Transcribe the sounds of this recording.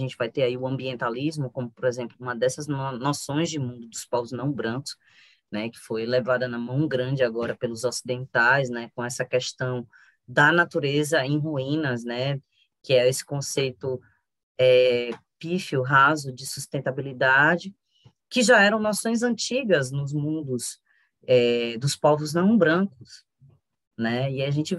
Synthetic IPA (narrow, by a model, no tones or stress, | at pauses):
ʒẽt͡ʃɪvajt̪eɾaiʊɐ̃mbiẽnt̪alizmʊkõmʊpɔɾezẽmplʊũmɐd̪ɛsɐznnɔsõj̃zd͡ʒɪmũnd̪ʊd̪ʊspawznɐ̃w̃bɾɐ̃nt̪ʊ̥s | nɛkɪ̥fojlɛvad̪ɐnɐmɐ̃w̃ɡɾɐ̃d͡ʒɪaɡɔɾɐpelʊzɔsid̪ẽnt̪ajz̬nɛkõɛsɐkɛst̪ɐ̃w̃ | d̪ɐnat̪uɾezɐẽj̃ɦuĩnɐznɛ | kɪɛesɪ̥kõsejt̪ʊ | ɛpifiʊɦazʊd͡ʒɪsust̪ẽnt̪abilid̪ad͡ʒɪ | kɪʒaɛɾɐ̃w̃nɔsõj̃zɐ̃t͡ʃiɡɐznʊzmũnd̪ʊz | ɛd̪ʊspɔvʊznɐ̃w̃bɾɐ̃kʊs | nɛiaʒẽnt͡ʃɪ